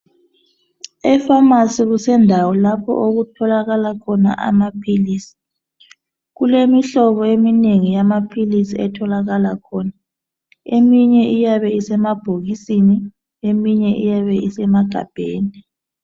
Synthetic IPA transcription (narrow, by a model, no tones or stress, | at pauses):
ɛfamasiɣusɛndʱawɔlapʰɔ̰ʔoɣutʰɔlaɣalakʰɔna̰ʔa̰mapʰiliːsi̥ | ɣulemiɬɔβɔemineŋijamapʰilisiɛtʰɔlaɣalakʰɔːna | emiɲɛʔijaβɛisɛmab̥ʱoɣisini | emiɲɛʔḭjaβɛʔisɛmaɡ̥ʱa̰b̥ʱeːni